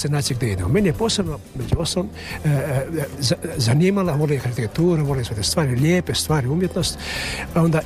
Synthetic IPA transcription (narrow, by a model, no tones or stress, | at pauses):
senaːt̪sijiɡd̪eḭd̪emome̞nije̞poːsebno | med͡ʑuost̪alom | zazaniːmalaʋolejkaɾit̪ekt̪uːɾeʋoleset̪est̪ʋaːɾilʲjeːpest̪ʋaːɾiumjet̪nost̪ao̞nd̪a